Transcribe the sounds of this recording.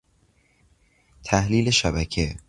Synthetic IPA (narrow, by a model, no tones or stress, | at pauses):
t̪ʰæhliːleʃæbækʰe